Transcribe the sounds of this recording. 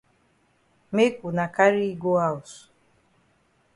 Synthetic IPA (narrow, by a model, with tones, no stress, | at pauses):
me˦ku˨na˨ka˦ɾi˦ɡo˦a˦u˨s